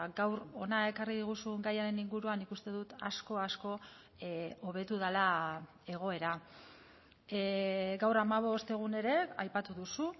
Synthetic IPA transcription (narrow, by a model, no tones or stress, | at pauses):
ɡawɾo̞nae̞kariðiɣusuŋɡajaɾe̞niŋɡuɾuanikust̪e̞ðut̪a̰sko̞asko̞ | oβ̞e̞t̪uð̞ala | e̞ɣ̞o̞e̞ɾa | ɡawramaβ̞o̞st̪e̞ɣ̞une̞ɾe̞ajpat̪uðusu